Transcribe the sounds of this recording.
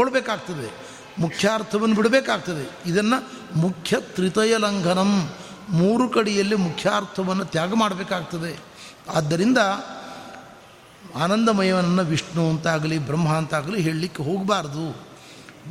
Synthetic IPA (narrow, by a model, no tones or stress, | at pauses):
ɔɭbeːkaːɡ̚t̪ɐd̪e̞ | mukʰjaːɾt̪ʰɐʋɐnːɐbiɽɐbeːkaːɡ̚t̪ɐd̪e̞id̪ɐnːɐ | mukʰjɐt̪ɾit̪ɐjɐlɐŋɡʱɐnɐmː | uːɾukɐɽijɐlːimukʰjaːɾt̪ʰɐʋɐnːɐt̪jaːɡɐmaːɽɐbeːkaːɡ̚t̪ɐd̪e̞ | aːd̪ːɐɾind̪ɐ | aːnɐnd̪ɐmɐjɐʋɐnɐnːɐʋiʂɳuɐnt̪aːɡɐlibɾɐmːɦaːnt̪aːɡɐliɦe̞ːɭlikːeɦo̞ːɡbaːɾɐd̪u